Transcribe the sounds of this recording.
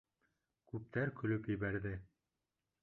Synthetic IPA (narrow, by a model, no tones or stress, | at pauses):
kʉp̚t̪æɾkɵ̆lɵpjɘ̆βæɾðɘ